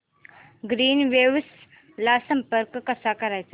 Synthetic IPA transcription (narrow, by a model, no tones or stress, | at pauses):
ɡɾiːnʋeʋs | lasəmpəɾkkəsakəɾajt͡sa